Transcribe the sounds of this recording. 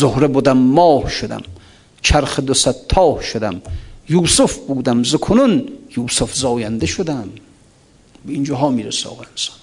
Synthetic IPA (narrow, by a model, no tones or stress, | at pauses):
zohɾebud̪æmːɒːhʃod̪æ̰m | t͡ʃʰæɾχed̪osæt̪ʰːɒːhʃod̪æmjuːsufbuːd̪æmzokʰonunjuːsufzɒːjænd̪eʃod̪æm | beind͡ʒɒːɦɒːmiːɾesɒ̰ːʁæensɒ̥n